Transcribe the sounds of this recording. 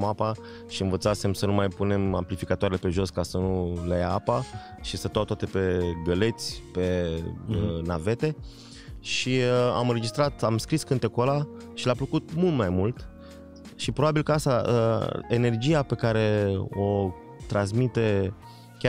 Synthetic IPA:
mapa | ʃiɨnvət̪sase̞msənumajpune̞mamplifikat̪oaɾelepe̞ʒo̞skasənulejaapa | ʃisət̪uawt̪at̪e̞pe̞ɡəle̞t̪sʲpe̞ | nave̞t̪e̞ | ʃia̰mɨnɾed͡ʒist̪ɾat̪amskɾiskɨnt̪e̞kola | ʃilapləkut̪̚mult̪majmult̪ | ʃipɾo̞babilkəast̪aə̰ene̞rd͡ʒijape̞kaɾe̞o | t̪ɾans̬mit̪e̞ | kʲa

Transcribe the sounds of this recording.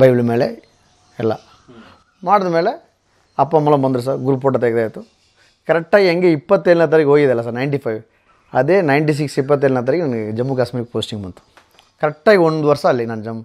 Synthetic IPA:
bɐjbilɐme̞ːle | ɛlːɐ̰ | maːɽɐd̪ɐmeːle | ɐpːɐmːɐlɐmbɐnd̪uɾus̬aːɾɡuɾuːp̬oʈ̬ːɐt̪ɐɡd̪eːjt̪ːu | kɐɾɛk̚ʈːaːɡiɐŋɡeipːɐt̪ːelnɐt̪̬ɐɾikɦoːjid̪ɛlːɐs̬aːɾnɐjɳʈipʰɐjʋ | ɐd̪eːnɐjɳʈis̬iksip̬ːɐt̪̬ːeːlnɐt̪̬ɐɾikinɐnɐɡed͡ʒɐmːukaːsmiːɾik̚poːsʈiŋɡbɐnt̪u̥ | kɐɾɛk̚ʈːaːɡiond̪uʋɐɾsɐːlːinɐnːɐd͡ʒɐmːu

